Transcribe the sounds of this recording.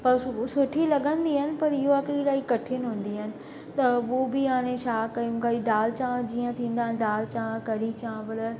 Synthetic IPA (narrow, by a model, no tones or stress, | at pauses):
pɐɾsʊʈʰilɐɠə̃nd̪iɦɐnɪ̆pɐɾɪɦoakiɾaːikɐʈʰɪənɦʊ̃ːnd̪iɦənɪ̆ | t̪ɐʋoːbiãːɽ̃ẽʃaːkɐjũkaiɖaːlt͡ɕãːd͡ʑiːə̃t̪ʰĩːnd̪aːɦnɪɖaːlt͡ʃãːkɐɾit͡ʃãːbələ